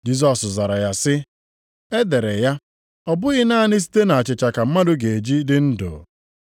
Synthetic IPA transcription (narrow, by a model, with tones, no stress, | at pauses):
d͡ʒi˦s̬ɔ˨sza˨ɾa˨ja˦sɪ˦ | e˦de˨ɾe˨ja˦ | ɔ˨bʊ˦ɣɪ˦na˦nɪ˦s̬i̥˦te˦na˨a˨t͡ʃɪ˨t͡ʃa˨ka˨m̩˦ma˦dʊ˦ɡe˨e˨d͡ʒi˦dɪ˦n̩˦do̰˨